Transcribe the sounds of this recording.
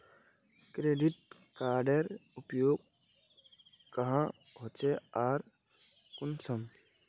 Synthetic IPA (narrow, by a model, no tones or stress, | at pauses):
kɾeːɖɪʈ̚kaːɾɖəɾʊpjoːɡ̚ | kɐɦã | ɦoːt͡ʃeaːɾ | kʊnsəm